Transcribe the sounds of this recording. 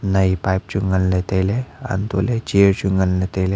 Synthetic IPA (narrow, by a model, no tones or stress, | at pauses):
nɐipajp̚t͡ʃuŋɡənlet̪elea̰nt̪o̰ːlet͡ʃiəɾt͡ʃuŋɡənlet̪ele